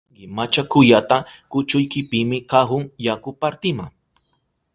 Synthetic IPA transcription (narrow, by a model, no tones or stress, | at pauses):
ɡɪmat͡ʃakʊjat̪akʊt͡ʃʊjkɪpɪmɪkaɦʊŋjakʊpaɾt̪ɪmaŋ